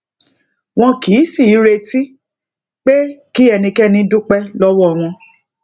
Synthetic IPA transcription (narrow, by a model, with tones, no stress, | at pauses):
w̃ɔ̃˧ki˨˦si˦˨˦ɾe˧ti˦ | k͡pe˦ki˦ɛ˧nĩ˧kɛ˦nĩ˧˦du˦k͡pɛ˦lɔ˦wɔ˦ɔ˧˨w̃ɔ̃˧